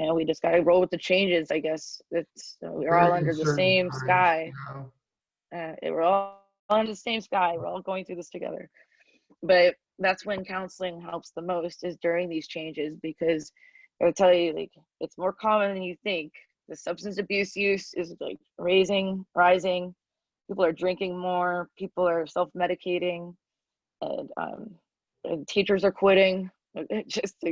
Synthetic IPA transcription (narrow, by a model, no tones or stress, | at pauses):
ɨwid͡ʒʌsɡ̥ɑɾɨɹoʊl̚ˠɨt͡ʃʰẽɪ̃nd͡ʒɨzaɪɡɛsðɨtʌ̰wiə˞ɔlˠʌ̃ndə˞ðɨsẽɪ̃mskaɪ | ʔʌɪ̰ʔ̚wə̰ɹɔ | ʌ̃ndə˞ðəsẽɪ̃mskaɪwəɹɔlˠɡoʊɪ̃ŋθɹʉðɪstʰɨɡɛ̰ðə̰˞ | b̥ʌ | ðætswɨ̃nkʰãʊ̃nsl̩ˠɪ̃ŋɦɛlˠpsðəmoʊstɨzdʊɹɪ̃ŋðiz̥t͡ʃʰẽɪ̃nd͡ʒɪzbɨkʰʌz | ɨtʰɛlˠjɨlaɪk | ɨtsmɔɹkʰɑmɨ̃nðɨ̃njɨθɪ̃ŋk | ðɨsʌb̥stɨ̃nsɨbjʉsjʉsɨzla̰ɪkɹeɪzɪ̃ŋɹaɪzɪ̃ŋ | pʰipl̩ˠə˞dɹɪ̃ŋkɪ̃ŋmɔɹpʰipl̩ˠə˞sɛlˠfmɛɾɨkʰeɪɾɪ̃ŋ | ɨ̰̃nʌ̰̃m | ɨ̰̃ntʰit͡ʃə˞zə˞kʰw̥ɪɾɪ̃ŋ̚ | d̥ʒ̥ʌst